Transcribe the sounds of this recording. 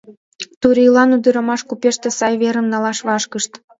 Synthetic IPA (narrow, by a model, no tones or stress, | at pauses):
t̪uɾilɑnud̪əɾə̆mɑʃkupeʃt̪ĕsɑjβeɾə̆mnɑlɑʃβɑʃkəʃt̪